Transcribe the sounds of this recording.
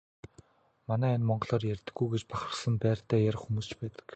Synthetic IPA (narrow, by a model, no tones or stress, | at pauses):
manæːinmɔɴɢɞ̆ɮɔːrjærʲt̪ɘ̆ɡːujɡet͡ɕpaχə̆sə̆mpæːr̥t̪æːjæɾ̆ʲχxumuːst͡ɕpæːt̪ə̥̆k